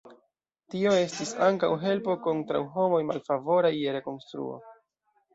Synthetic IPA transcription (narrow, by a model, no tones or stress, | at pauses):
tio̞e̞stisaŋkawɦe̞lpo̞kontɾa̰wɦo̞mo̞jmalfavo̞ɾaje̞ɾe̞ko̞nstɾṵo̰